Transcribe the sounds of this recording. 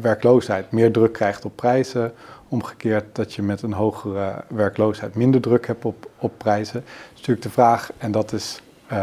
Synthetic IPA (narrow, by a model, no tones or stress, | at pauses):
ʋɛɹklowsɦɛjtmɪːɹdrɵkːrɛjχtɔpːrɛjzəɔmχə̥kɪːɹt̚dɑtjəmɛtənɦowχərəʋɛɹklowsɦɛjtmɪndəɹdrɵkɦɛp̚tɔpɔpːrɛjzəstyːlɪɡ̚dəvraːχɛndɑtɪs